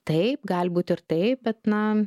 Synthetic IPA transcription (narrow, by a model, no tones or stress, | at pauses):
t̪ɐɪp̚ɡɐːlʲbuːt̪ʲɪɾt̪ɐɪp̚bʲɛt̪nɐ